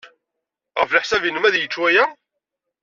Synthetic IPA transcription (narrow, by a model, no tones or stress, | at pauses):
ʁəfləħsævinəmæðjət͡ʃːwæjæ